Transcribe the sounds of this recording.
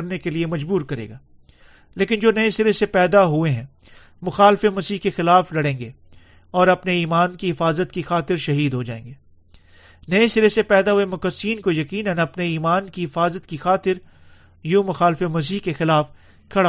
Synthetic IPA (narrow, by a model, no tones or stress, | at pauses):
ɾnekeliemɐd͡ʒbuːɾkɐɾḛːɡaː | leːkɪnd͡ʒoːnɐẽsɪɾesepɛːd̪aɦueɦɛ̃ | mʊxaːlfemɐsiːɦkexɪlaːflɐɽẽːŋɡeː | ɔːɾɐpneiːmaːnkiɦɪfaːzət̪kixaːt̪ɪɾʃɐɦiːd̪ɦod͡ʒa̰ːḛ̃ːŋɡeː | nɐẽsɪɾesepɛːd̪aɦuemʊkəsiːnkojɐkiːnənɐpneiːmaːnkiɦɪfaːzət̪kixaːt̪ɪɾ | jũːmʊxaːlfemɐs̬iːɦkexɪlaːf | kʰɐɽa